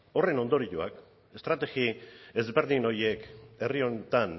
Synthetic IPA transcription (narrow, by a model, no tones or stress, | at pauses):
o̞re̞no̞nd̪o̞ɾiʎua̰k | e̞st̪ɾat̪e̞ɣie̞zbe̞ɾðino̞je̞ke̞rio̞net̪an